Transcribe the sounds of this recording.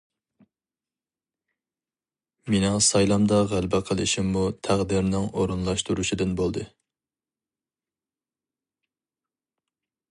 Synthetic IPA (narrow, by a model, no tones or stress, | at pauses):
menɨŋsɑjlˠɑmd̪ɑʁælbɛqʰəlˠɪʃimːut̪ʰæʁd̪ɪɾnɪŋoɾunlˠɑʃt̪uɾuʃid̪ɨnbolˠd̪ɨ